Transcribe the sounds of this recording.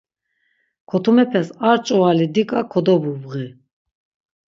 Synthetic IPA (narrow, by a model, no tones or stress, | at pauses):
kʰɔt̪ʰumɛpʰɛsaɾt͡ʃʼɔalid̪ikʼakʰɔd̪ɔbubɣi